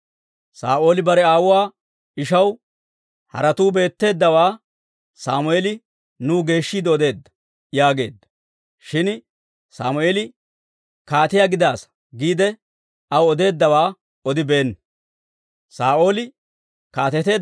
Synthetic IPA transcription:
sa̰ːʔo̞ːlɪbɐɾɛaːwʊwaː | ɪʃɐw | hɐ̰ɾɐt̪uːbe̞ːt̪ːe̞ːd̪ːɐwaː | saːmʊeːlɪ | nuːɡe̞ːʃːiːd̪ɔd̪e̞ːd̪ːɐ̥ | jaːɡe̞ːd̪ːɐ̥ | ʃɪn | saːmʊeːlɪ | kaːt̪ɪjaːɡɪd̪aːs | ɡiːd̪ɛ | ɐwɔd̪e̞ːd̪ːɐwaː | ɔd̪ɪbe̞ːnː | saːʔo̞ːlɪ | kaːt̪ɛt̪e̞ː

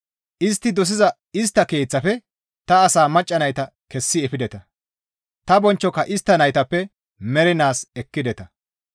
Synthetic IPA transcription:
ʔɪst̪ːɪd̪ɔs̬ɪzɐ | ɪst̪ːɐke̞ːt͡sːɐfɛ | t̪ɐːsaːmɐt͡ʃʼːɐnɐjt̪ɐ | kɛsːɪɛfɪd̪ɛt̪ɐ | t̪ɐbɔnt͡ʃːɔkːɐʔɪst̪ːɐnɐjt̪ɐpːɛ | mɛɾɪnaːsɛkːɪd̪ɛt̪ɐ

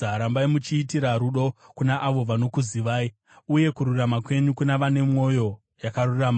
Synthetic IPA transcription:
aɾambaimut͡ʃiːtiɾaɾuɗo̞kunaʔaʋo̞ʋano̞kuziʋaːi | uje̞kuɾuramakwe̞ɲukunaʋane̞mŋo̞jo̞ | jakaruraːma

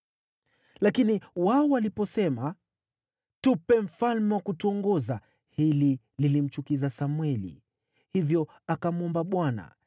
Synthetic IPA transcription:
lakiniwaɔwalipɔsɛma | tupɛm̩falmɛwakutuɔŋɡɔza | hili | lilim̩t͡ʃukizasamwɛlḭ | hivjɔ | akamuɔmbaɓwana̰

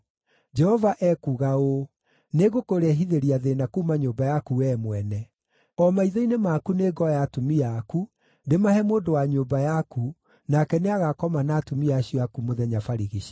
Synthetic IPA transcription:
d͡ʒɛhɔvaʔɛkuːɣao | neɣokoɾɛɦiðeɾiaðenakumaɲoːmbajakuɛmwɛnɛ | ɔmaiðɔinemakuneɡɔjatomiaku | ndemahɛmoːndowaɲoːbajaku | nakɛneaɣakɔmanaːtumiaɕiɔakumoðɛɲafaɾiɣiɕi

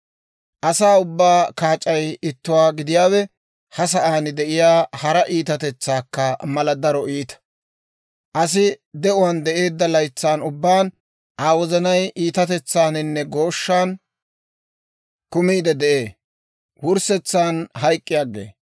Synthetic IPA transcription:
ʔɐsaːʊbːaːkaːt͡ʃʼːɐjɪt̪ːʊwaːɡɪd̪ɪjaːwɛ | hɐs̬ɐʔaːnɪd̪ɛʔɪjaːhɐɾɐʔiːt̪ɐt̪ɛt͡sːaːkːɐmɐlɐd̪ɐɾɔiːt̪ɐ̥ | ʔɐs̬ɪd̪ɛʊwɐnd̪ɛʔe̞ːd̪ːɐlɐjt͡sːaːnʊbːaːn | ʔaːwɔzɐnɐjʔiːt̪ɐt̪ɛt͡sːaːnɪnːɛɡo̞ːʃːaːn | kʊmiːd̪ɛd̪ɛʔe̞ː | wʊɾsɛt͡sːaːnɦɐjkʼːɪjaːɡḛː

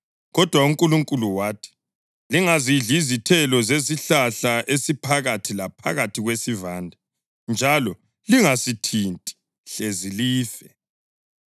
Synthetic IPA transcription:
ɣɔd̥ʱwauŋkʼuluŋkʼuluwaːtʰi̥ | liŋaziɮizitʰɛlɔzeziɬaɬaʔesipʰaɣatʰilapʰa̰ɣatʰiɣwesivaːndʱa | nd͡ʒʱalɔ | liŋasitʰintʼi̥ | ɬeziliːfɛ

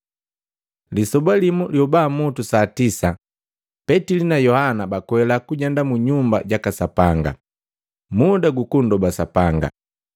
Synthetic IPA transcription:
lisɔbalimuljɔbaːmɔtusatisa | pɛtilinajɔhanabakwɛlakuɟandamuɲumba̰ɟakasapaŋɡa̰ | mudaɡukun̩dɔbasapaŋɡa̰

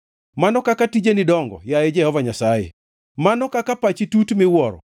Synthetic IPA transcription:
manɔkakatid͡ʒenidɔŋɡɔ̰jaed͡ʒɛhɔvaɲasajḛ | manɔkakapat͡ʃitutmɪwɔɾɔ̰

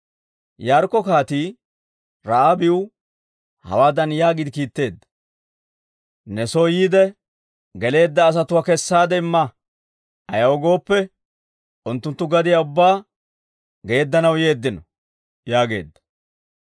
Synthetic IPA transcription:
jaːɾkːɔkaːt̪iː | ɾɐʔabɪʊ | hɐ̰waːd̪ɐnjaːɡɪd̪ɪkiːt̪ːe̞ːd̪ːɐ̥ | nɛsojiːd̪ɛ | ɡɛle̞ːd̪ːɐːs̬ɐt̪ʊwakɛsːaːd̪ɛɪmːɐ | ɐjɐwɔɡo̞ːpːɛ | ʔʊnt̪ːʊnt̪ːʊɡɐd̪ɪjaʊbːaː | ɡe̞ːd̪ːɐnɐwje̞ːd̪ːɪnɔ | jaːɡe̞̰ːd̪ːɐ̥

